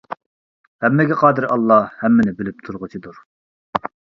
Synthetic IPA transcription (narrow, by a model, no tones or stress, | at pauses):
hɛmːɪɡʲɛqʰɑːd̪ɨɾɑlˠːɑhɛmːɪnɪbɪlɪp̚t̪ʰuɾʁʊt͡ʃʰid̪uɾ